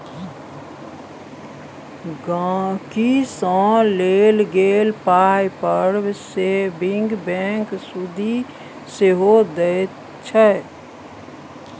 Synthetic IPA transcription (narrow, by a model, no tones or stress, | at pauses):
ɡakisɔ̃leːlɡeːlpaːjpəɾsebɪ̃ŋɡbɛ̃ːksud̪ʱi | seɦod̪əe | t͡ʃʰɛ